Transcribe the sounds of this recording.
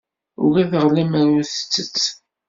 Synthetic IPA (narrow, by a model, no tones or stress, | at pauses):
ʊ̰ɾæθəʁlæmæɾuθə̥t͡sːət͡sː